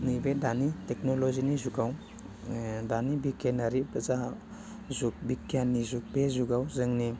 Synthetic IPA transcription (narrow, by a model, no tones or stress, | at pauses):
nibedaniteknolozinizuɡaw | danibikenaɾibaza | zuk̚bikjanːizuk̚bezuɡawzɯŋni